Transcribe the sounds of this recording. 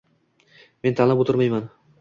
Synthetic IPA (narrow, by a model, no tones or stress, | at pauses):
me̞nt̪ʰanabot̪ʰʊɾmajman